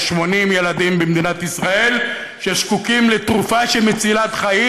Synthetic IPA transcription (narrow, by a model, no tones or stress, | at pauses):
ʃmo̞nimjelad̪imbemd̪inat̪isʁae̞l | ʃeʃkukimlet̪ʁufaʃemet͡silat̪χai